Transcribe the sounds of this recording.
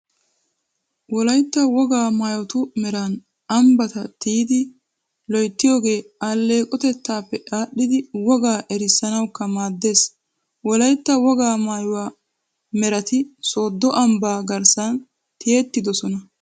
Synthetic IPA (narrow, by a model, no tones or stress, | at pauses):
wɔlɐjt̪ːɐwɔɡaːmaːjɔt̪ʊmɛɾɐn | ɐmbɐt̪ɐt̪iːd̪ɪ | lɔjt̪ːɪjo̞ːɡe̞ːalːe̞ːkʼːɔt̪ɛt̪ːaːpːɛᶑaːɗːɪd̪ɪwɔɡaːʔɛɾɪsɐnɐwkːɐmaːd̪ːe̞ːs | wɔlɐjt̪ːɐwɔɡaːmaːjʊwaː | mɛɾɐt̪ɪso̞ːd̪ːɔʔɐmbaːɡɐɾsɐn | t̪ɪjeːt̪ːɪd̪ɔsɔnɐ